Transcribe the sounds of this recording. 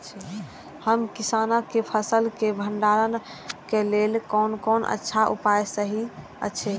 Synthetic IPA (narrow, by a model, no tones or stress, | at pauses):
həmkisanakepʰəsəlkebʱəɳɖaɾən | kelelkɔnkonə̰tːʃʰaʔṵpajsəɦi | ə̰t͡ʃʰɛ